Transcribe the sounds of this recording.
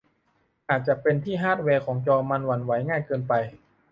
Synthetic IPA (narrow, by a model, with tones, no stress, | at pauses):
ʔaː˨˩t̪̚t͡ɕa˨˩pe˧nt̪ʰiː˥˩ɦaː˥˩t̪̚wɛː˧kʰɔː˩˦ŋt͡ɕɔː˧ma˧nwa˧nwa˩˦jŋaː˥˩jkɤː˧npa˧j